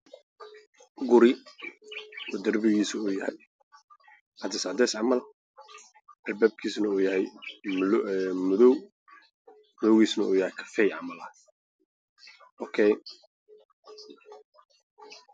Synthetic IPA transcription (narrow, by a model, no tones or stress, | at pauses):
ɡʊɾɪ | wɔd̪ɐrbɪɣiːsuːjɐhɛj | ʔɑd̪ɛsʕɑd̪ɛsʕɑmɐl | ʔɛlbɛb̚kʰiːsnɐuːjɐhɛjmmʊðɔw | mʊðɔwɣiːsnɐuːjɐhɛjkʰɐ̥fɛjʕɑmɐlɐ | ʔɔkʰɛj